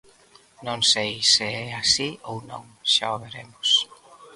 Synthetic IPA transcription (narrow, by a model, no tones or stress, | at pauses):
nõŋsejsɪɛasiownõ̰ŋ | ʃaoβeɾemʊs